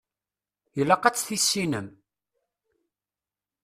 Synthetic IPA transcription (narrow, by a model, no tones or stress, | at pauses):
jəlːæqæt͡sːθisːinəm